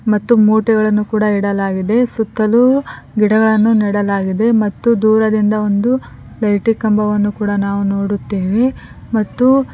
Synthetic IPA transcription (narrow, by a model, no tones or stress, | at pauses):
mɐt̪ːumuːʈiɡɐɭɐnːukuːɽɐiɽɐlaːɡid̪e̞sut̪ːɐlu | ɡiɽɐɡɐɭɐnːuniːɽɐlaːɡid̪e̞mɐt̪ːud̪uːɾɐd̪ind̪ɐo̞nd̪u | lɐjʈikɐmbɐʋɐnːukuːɽɐnaːʋuno̞ːɽut̪ːeːʋe | mɐt̪ːu